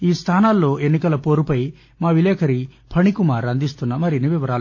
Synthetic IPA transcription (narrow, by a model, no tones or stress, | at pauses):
iːst̪ʰaːnaːlːo̞ːʔe̞nːikɐlɐpo̞ːɾupɐj | maːʋileːkʰɐɾipʰɐnikumaːɾɐnd̪ist̪unːɐmɐɾiniʋiʋɐɾaːl